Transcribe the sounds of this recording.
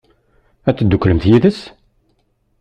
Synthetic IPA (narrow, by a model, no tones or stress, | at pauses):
æt͡sːəd̪ːukːləmθjiðəs